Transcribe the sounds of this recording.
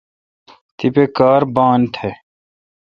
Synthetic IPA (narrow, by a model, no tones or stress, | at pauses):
t̪ipekaːɾbãːnʈ̪ʰeː